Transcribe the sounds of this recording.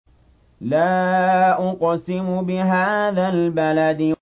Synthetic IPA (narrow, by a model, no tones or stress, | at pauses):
laːʔʊqsɪmʊbɪɦaːðaːlbalad̪ɪ